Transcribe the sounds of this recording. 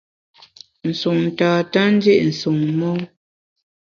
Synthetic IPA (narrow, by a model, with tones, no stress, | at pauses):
n̩˨su˨ŋn̩˨taː˨ta˦n̩˦d͡ʒe˦ʔn̩˨su˨ŋmɔ˦